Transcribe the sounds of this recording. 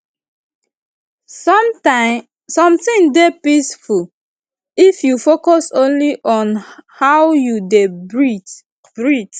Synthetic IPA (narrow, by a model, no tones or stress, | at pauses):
sɔmtãɪ | sɔ̃mtĩŋdepisful | ifjufokɔsõnliʔɔ̃nhawjudebɹi | bɹit